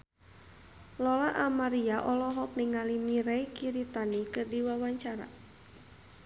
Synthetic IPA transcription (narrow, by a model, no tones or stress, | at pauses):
lɔlaʔamaɾiaʔɔlɔɦɔk̚niŋalimiɾɛikiɾit̪anikɨrdiwawaɲt͡ʃaɾa̰